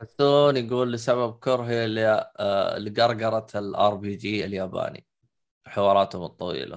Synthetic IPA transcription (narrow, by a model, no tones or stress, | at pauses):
ħʊsuːnjɪɡuːlːɪsaβab̚kʊɾˤɦil | lɪɡɑɾˤɡɑɾˤɑlʔɑɾˤbiːd͡ʒiːɪljaːba̰ːnḭ | ħɪwɑːɾˤɑːt̪hʊmɨt̪ˤːɑwḭːla̰